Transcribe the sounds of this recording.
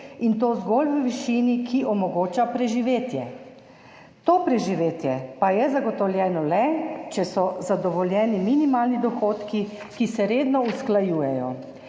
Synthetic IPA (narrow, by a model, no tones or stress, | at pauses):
int̪oːzɡoːlʋəʋiʃiːnikʰiʔɔmɔɡoːt͡ʃapɾɛʒiʋeːt̪jɛ | t̪oːpɾɛʒiʋeːt̪jɛpajɛzaɡɔt̪ɔwljɛːnɔlɛt͡ʃɛsɔzad̪ɔʋɔlʲjɛːniminimaːlnid̪ɔxoːt̪ki | kisɛɾeːd̪nɔusklajuːjɛjɔ̰